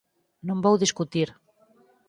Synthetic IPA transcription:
nõmbowðiskut̪iɾ

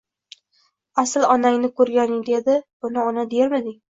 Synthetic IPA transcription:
asɪlˠɒnaŋʲnɪkʰɵɾɡʲanɪŋd̪e̞d̪ɪbʊnɪɒnad̪eɾmɪd̪ɪŋ

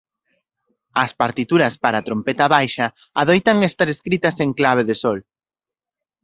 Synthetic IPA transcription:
ɐspaɾt̪it̪uɾɐspaɾat̪ɾompet̪aβajʃɐː | ðojt̪aŋest̪aɾeskɾit̪ɐseŋklaβ̞eðesɔl

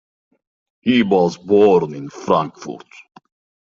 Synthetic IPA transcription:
hiwɔzbɔɾnɪ̃nfɾãŋkfṵɾt

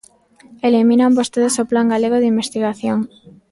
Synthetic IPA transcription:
elimĩnambost̪eðesoplaŋɡaleɣ̞oðimbest̪iɣaθjoŋ

